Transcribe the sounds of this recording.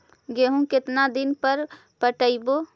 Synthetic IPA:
ɡeɦũkɪt̪nad̪ɪnpəɾ | pəʈəibo

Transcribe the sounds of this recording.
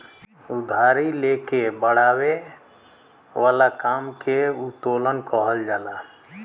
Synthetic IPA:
ud̪ʱaɾilekebəɽ̤awe | ʋaːlakaːmkeut̪olənkəɦəld͡ʒaːla

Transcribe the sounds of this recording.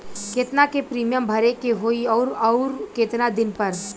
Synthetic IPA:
keːt̪nakepɾiːmijəmbʱɐɾekeɦoːiɔːɾɔʊɾket̪nad̪ɪnpɐɾ

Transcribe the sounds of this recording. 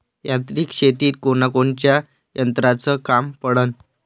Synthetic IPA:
jãt̪ɾiːkɕet̪iːt̪̚konakont͡ɕja | jənt̪ɾat͡səkampəɽən

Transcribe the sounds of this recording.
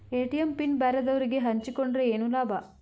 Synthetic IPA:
eːʈijempinbɛːɾɐd̪ɐʋɐɾiɡeɦɐɲt͡ʃikoɳɖɾɐeːnulaːba

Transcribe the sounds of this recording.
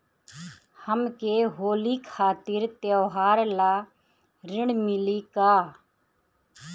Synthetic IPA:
həmkeːɦoːliːkʰaːt̪ɪɾt̪joːɦaːɾlaː | ɾɪɽmɪliːkaː

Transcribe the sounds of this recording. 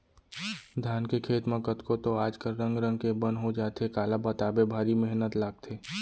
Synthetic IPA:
d̪ʱjaːnkekʰeːt̪mɐ̃kət̪kot̪oaːd͡ʒkəɾɾə̃ŋɡɾə̃nkebə̃nɦod͡ʒaːt̪ekaːlabɐt̪aːbebʱaːɾimɛɦnət̪laːɡ̚t̪ʰeː

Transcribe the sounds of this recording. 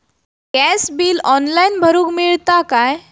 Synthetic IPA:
kɛsbiːlɔnlainbʱəɾũːkmiɭt̪akaj

